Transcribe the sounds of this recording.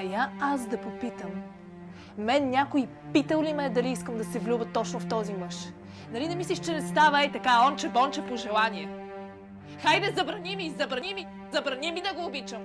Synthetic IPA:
ɐjaasd̪ɐpopit̪əm | mɛnnʲakoi | pit̪əlˠlimɛd̪ɐliiskəmd̪ɐsɛvlʲubət̪ːɔt͡ʃnoft̪ɔzimɤʃ | nɐlid̪ɐmisliʃt͡ʃɛnɛst̪avəɛt̪ɐkaɔnt͡ʃɛbɔnt͡ʃɛpoʒɛlˠanʲiɛ | xajd̪ɐzɐbɾɐnimizɐbɾɐnimi | zɐbɾɐnimid̪ɐɡoːbit͡ʃəm

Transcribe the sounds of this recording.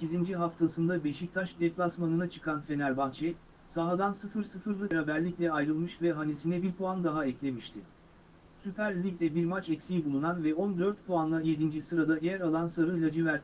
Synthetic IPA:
secʰizind͡ʒiɦaft̪ʰasɯnd̪abeʃic̚t̪ʰaʃd̪ɛplˠasmanɯnat͡ʃʰɯ̥kʰanfe̞næɾbant͡ʃʰɛ | saɦad̪ansɯfɯɾsɯfɯɾlˠɯɾabæɾlʲiclʲɛajɾɯlˠmɯʃvɛɦanesinɛbiɾpʰoand̪aɦaɛclʲe̞miʃt̪ʰɪ | sypʰæɾlʲicdʲɛbiɾmat͡ʃɛcsijbulˠunanvɛɔnd̪øɾt̪pʰoanlˠaje̞d̪ind͡ʒisɯɾad̪ajæɾalˠansaɾɯlʲad͡ʒivæɾ

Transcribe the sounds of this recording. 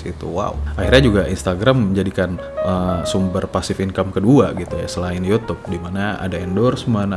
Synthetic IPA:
it̪ṵwa̰uʔahirɲad͡ʒuɡaʔinst̪aɡɾaməɲd͡ʒadikan | əsumbərpasɪfinkamkəduaɡit̪uja̰səlaɪnijut̪ʊp̚dimanaa̰daindɔrsmən

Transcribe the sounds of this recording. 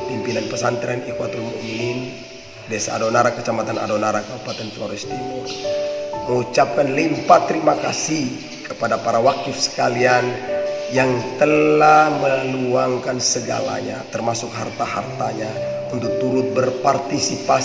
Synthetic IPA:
pimpilanpəsant̪ɾɛnikwat̪oɾimṵminin | desaːdonaɾakət͡ʃamat̪ana̰donaɾakabupat̪ɛnt̪ua̰ɾist̪ipur | məŋut͡ʃap̚kanlimpat̪ːəɾimakasih | kəpadapaɾawak̚t̪ifsə̥kalianjaŋt̪əlahməluaŋkansəɡa̰la̰ɲa̰t̪ərmasʊkɦart̪aɦa̰rt̪aɲa | unt̪ʊk̚t̪uɾʊt̪̚bərpart̪isipa

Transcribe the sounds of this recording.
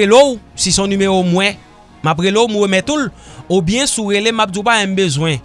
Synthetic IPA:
elowsisɔ̃nymeomw̃ɛ̃ | map̬ɣelowmũemɛ̃t̪ul | objɛ̃suɣelemap̚dupaɛ̃m̩bezwɛ̃

